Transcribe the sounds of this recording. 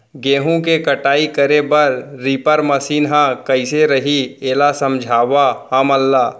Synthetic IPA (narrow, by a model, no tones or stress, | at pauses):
ɡeːɦõkekɐʈaːikɐɾebɐɾɾiːpəɾmɐsiːnɦãkɐɪseɾɐɦieːlasɐ̃md͡ʒʱaːʋahãməlːaː